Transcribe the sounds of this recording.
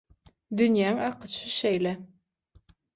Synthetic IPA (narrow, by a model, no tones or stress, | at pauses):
d̪ynjæːŋɑqʰɯ̥t͡ʃʰɯʃejle